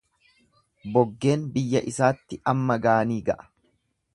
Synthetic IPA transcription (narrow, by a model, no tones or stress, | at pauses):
bɔɡːe̞ːnbɪjːɐʔɪsaːt̪ːɪʔɐmːɐɡaːniːɡɐʔɐ̥